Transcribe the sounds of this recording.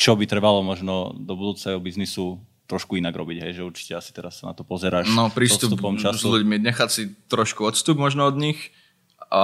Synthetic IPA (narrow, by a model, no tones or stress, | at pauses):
t͡ʃɔbit̪ɾɛbalɔmɔʒnɔd̪ɔbud̪uːt͡saɛɦɔbiznisu | t̪ɾɔʃkuinaɡɾɔbiɟɦɛjʒɛuɾt͡ʃi̥cɛasi̥t̪ɛɾasːana̰t̪ɔpɔzɛɾaːʃnɔpɾiːssst̪upt̪upɔmt͡ʃazsʎuɟmiɲɛxat͡sit̪ɾɔʃkuɔt̪st̪ubmɔʒnɔɔd̪ɲix | a